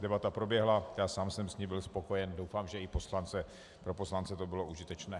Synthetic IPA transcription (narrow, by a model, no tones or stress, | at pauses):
dɛbat̪apɾo̞bjɛɦlajaːsaːmsɛmsɲibɪlspo̞ko̞jɛndowfaːmʒɛɪpo̞slant͡sɛ | pɾo̞po̞slant͡sɛt̪o̞bɪlo̞ʔuʒɪt̪ɛt͡ʃnɛː